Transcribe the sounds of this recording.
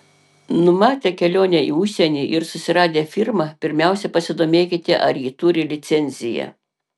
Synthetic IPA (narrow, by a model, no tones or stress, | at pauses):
nʊmɑːt̪ʲeːkʲɛlʲoːnʲɛiːʊʃʲsʲɛnʲiːʔɪɾsʊsʲɪɾɑːd̪ʲeːfʲɪɾmɑpʲɪɾʲmʲæˑʊsʲɛpɐsʲɪd̪oːmʲeːkʲɪt̪ʲɪʔɐɾjiːt̪ʊɾʲɪlʲɪt̪sʲɛnʲzʲɪjɛ̰